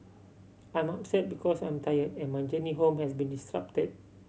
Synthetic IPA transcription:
ãj̃mapsɛt̚bikʰɔsãj̃mtʰajədɛ̃nmãnd͡ʒəniɦõmhɛsbĩndistɹa̰p̚təd̚

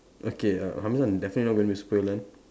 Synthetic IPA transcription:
ʔokea̰hãmsãndɛfənətlinɔɡõnbispɔjlãn

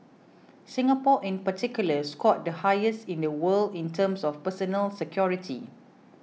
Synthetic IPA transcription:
sĩŋapɔʔĩnpatʰikjuləskɔt̚dəhajəstĩndəwəldĩntʰə̃msɔfpəsɔnəlsɛkʰjɔɹitʰḭ

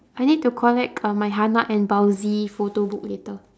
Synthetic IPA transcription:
ajnid̚tukʰɔlɛk̚ʰamajɦanaʔɛ̃nbawzifotobuk̚litə

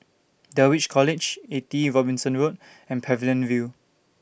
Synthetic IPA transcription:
dəwit͡ʃkʰɔlɪd͡ʒetiɹɔbĩnsə̃nɹut | ɛ̃npʰɹɛvilə̃nvju

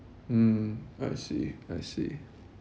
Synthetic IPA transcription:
m̩aɪsḭaɪsḭ

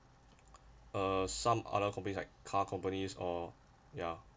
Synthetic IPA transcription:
əsãmʔa̰dəkʰɔ̃mpənisla̰ɪkʰːakʰɔ̃mpənisɔ | ja

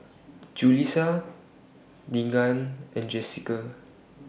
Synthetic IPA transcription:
d͡ʒulisa | diŋãnʔɛ̃nd͡ʒɛsika

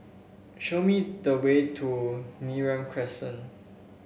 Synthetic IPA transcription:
ʃomidəwetʰuniɹãmkʰɹɛsə̃n

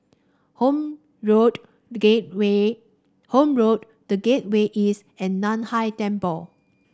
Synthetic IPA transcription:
ho | ɹod | ewe | hõmɹot̚ | dəɡet̚weʔis | ɛ̃nːɔ̃nhajtɛ̃mpəl

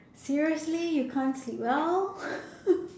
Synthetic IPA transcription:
siɹiəslijukʰãnsiwɛl

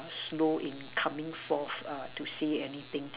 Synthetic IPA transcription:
sloʔɪ̃nkʰãmɪ̃ŋfɔθatuseɛnit̪ɪ̃ŋ

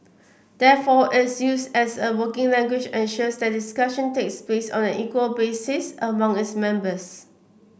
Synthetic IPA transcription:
d̥ɛfɔʔɪtsjusdɛsəwəkɪ̃ŋlɛ̃ŋɡwid͡ʒɛ̃nʃəsdɛt̚diskaʃə̃nteksplesɔ̰̃nɛ̃nʔikwəlbesɪsəmãŋɪtsmɛ̃mbəs

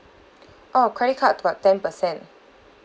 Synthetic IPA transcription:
ʔɔkʰɹ̥ɛɾit̚kʰatːəbattɛ̃npəsɛ̃n

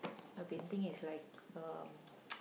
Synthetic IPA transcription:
abɛ̃nt̪ɪ̃ŋɪslaɪk̚ʌm

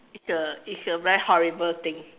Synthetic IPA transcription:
itsəisəvɛɹihɔɹibəlt̪ɪ̃ŋ

